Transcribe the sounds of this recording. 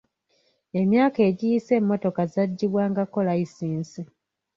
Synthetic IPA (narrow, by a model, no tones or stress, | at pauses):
e̞mjaːke̞ːɟijise̞ːmːo̞to̞kazaɟːiβwaːŋɡako̞laisiːnsi